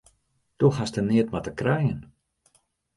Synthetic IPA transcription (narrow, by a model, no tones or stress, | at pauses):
d̥ɔxastənɪətmatəkrɛjən